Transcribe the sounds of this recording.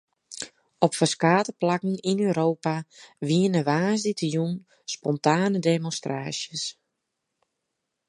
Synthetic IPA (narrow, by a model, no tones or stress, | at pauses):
ɔpfəskaːtəplakən̩inøːɾoːpaʋiənəʋaːzditəjun | spɔntaːnədemɔnstraːsjəs